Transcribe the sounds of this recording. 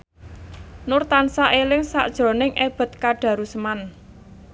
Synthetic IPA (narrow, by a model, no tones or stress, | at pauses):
nʊrt̪ansaʔelɪŋsa̰ʔd̥ʒ̥ɾo̤nɪŋʔeb̥ə̤t̪̚kaɖ̥ä̤ɾusəman